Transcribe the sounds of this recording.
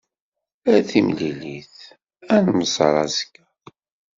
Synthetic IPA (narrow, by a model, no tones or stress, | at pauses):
æθimliliθ | ænməzˤɾˤɑzkːḁ